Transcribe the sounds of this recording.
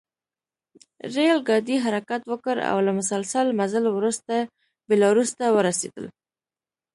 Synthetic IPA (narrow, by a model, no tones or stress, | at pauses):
ɾelɡɑd̪iɦaɾakat̪wəkəɾa̰wlamʊsalsəlmazalwɾust̪a | bɪlɑwɾust̪awəɾasḛd̪ə̰l